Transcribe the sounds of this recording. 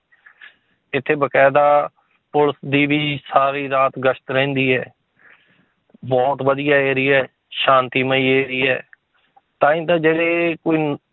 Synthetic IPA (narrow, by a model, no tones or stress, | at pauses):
ɪt̪ʰːeːbəkɛːd̪aː | pʊləsd̪iːʋiːsaːɾiːɾaːt̪ɡəʃt̪ɾɛ̃ːnd̪iːɛ̰ː | bɔːt̪ʋəd̪ijaːeːɾiːɛː | ʃãːnt̪iːməiːeːɾiːɛː | t̪ãːĩːt̪ãːd͡ʒeːɽeːkoːiː